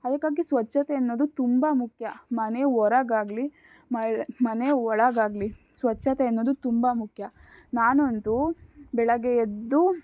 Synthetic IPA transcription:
ɐd̪ɐkːaːɡisʋɐt͡ʃːʃɐt̪eɐnːo̞ːd̪ut̪umbɐmukʰjɐmɐneɦɔɾɐɡaːɡli | mɐmɐneɔɭɐɡaːɡli | sʋɐt͡ʃːʃːɐt̪eɐnːo̞ːd̪ut̪umbɐmukʰjɐnaːnont̪ubɛɭɐɡeed̪ːu

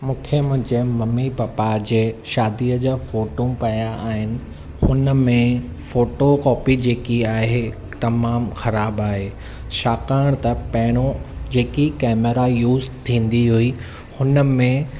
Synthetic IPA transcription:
mũːkʰemʊ̃ɦd͡ʑemɐmːibaːpad͡ʑeːʃaːd̪iəd͡ʑaːfoːʈũpɐjaːɦɪnɪ̆ | hʊnə̆mẽ | foːʈokɔːpid͡ʑeːkiaːɦe | t̪ɐmaːmxɐɾaːbaːɦeː | ʃaːkaːɽ̃t̪ɐpɐɦɪɽ̃od͡ʑeːkikɛːmeɾajuːzt̪ʰĩːn̆d̪iɦui | hʊnə̆mẽ

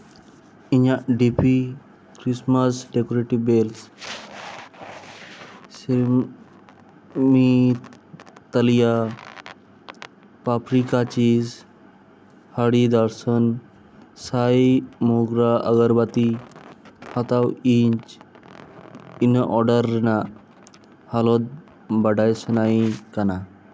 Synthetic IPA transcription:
iɲaɖipʰi | kɾisməsɖekoɾeʈibels | sil | mi | t̪əlija | papɾikat͡ʃiz | haɽid̪əɾsən | sajmoɡɾaəɡəɾbat̪i | hat̪awiɲt͡ʃ | inʔɔɖəɾːina | halot̪̚ | bəɖajsənaikana

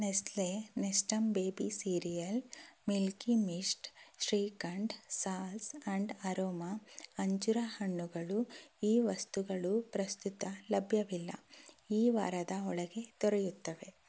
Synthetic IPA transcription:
neslenesʈɐmbeːbisiːɾijɐlmilkimisʈʃɾiːkɐɳɖsaːlsɐɳɖɐɾoːmɐɐɲt͡ʃuɾɐhɐɳːuɡɐɭuiːʋɐst̪uɡɐɭupɾɐst̪ut̪ɐlɐbʱjɐʋilːɐ̰iːʋa̰ːɾɐd̪ɐɔɭɐɡe̞t̪ɔɾejut̪ːɐʋe̞

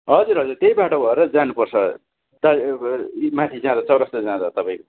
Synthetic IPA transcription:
ɦʌd͡zurɦʌd͡zurt̪ejbaʈobʱʌeɾʌd͡zanupʌrt͡sʰʌ | d̪a | mãt̪ʰid͡zãd̪ʌt͡sʌwɾʌst̪ʌd͡zãd̪ʌt̪ʌpaĩko

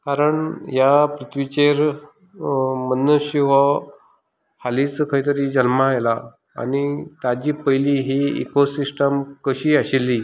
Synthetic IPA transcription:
kaɾəɳjapɾut̪ʰʋit͡ɕeɾ | mənːəɕiʋɔ | halit͡skʰəĩt̪̬əɾid͡ʑəlmajla | a̰nit̪ad͡ʑiːpəjliɦiḭkosisʈəmkəɕiːaɕilːiː

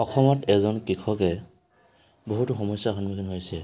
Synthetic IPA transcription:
ɔxʰɔmɔtɛzɔnkikʰɔkɛ | boɦutuxɔmɔsjakʰɔnmikʰinɦojsɛ

